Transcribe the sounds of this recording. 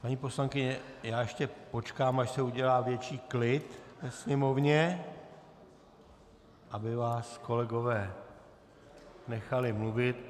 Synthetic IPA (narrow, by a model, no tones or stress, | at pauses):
paɲiːpo̞slaŋkɪɲɛjaːjɛʃcɛpo̞t͡ʃkaːmaʃsɛuɟɛlaːvjɛt͡ʃiːklɪt̪vɛsɲɛmo̞vɲɛ | ʔabɪvaːsko̞lɛɡo̞vɛː | nɛxalɪmluvɪt̪